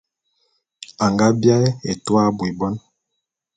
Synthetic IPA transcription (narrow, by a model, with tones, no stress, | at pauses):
a˨ŋɡa˦bja˦ɛ˦e˨twa˦bwi˨bɔ˦n